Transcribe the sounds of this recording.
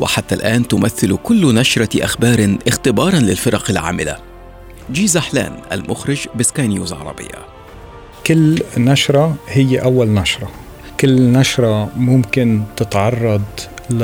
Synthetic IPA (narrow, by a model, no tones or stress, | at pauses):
wɪ̰ħat̪ːalʔaːnt̪ʊmaθːɪlkʊlːnaʃɾˤɑʔa̰xbɑːɾˤʔɪxt̪ɪbɑːɾˤɑnlɪlfɪɾˤɑqɪlʕa̰ːmɪla̰ | d͡ʒiːzaħla̰ːnʔa̰lmʔʊxɾɪd͡ʒbɪskaːjnjuːzʕɑ̰ɾˤɑ̰bɪ̰jːa̰ | kɪlːnaʃɾˤɑhɪjːeʔawːalnaʃɾˤɑ | kɪlːnaʃɾˤɑmʊmkɪnt̪ɪt̪ʕɑrˤːɑd̪l